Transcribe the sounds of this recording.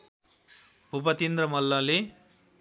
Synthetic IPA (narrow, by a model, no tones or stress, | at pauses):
bupʌt̪ind̪rʌmʌlːʌle